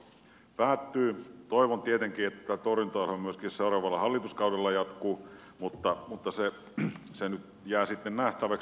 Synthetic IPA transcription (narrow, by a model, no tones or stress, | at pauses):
pæːt̪ːyːt̪oiʋont̪iet̪eŋkiːet̪ːæt̪ːæt̪orint̪oɑlhomyøskisseurɑːʋɑlːɑhɑlːit̪uskɑudelːɑjɑt̪kuː | mut̪ːɑmut̪ːɑse | senyt̪ | jæːsit̪ːennæht̪æʋæks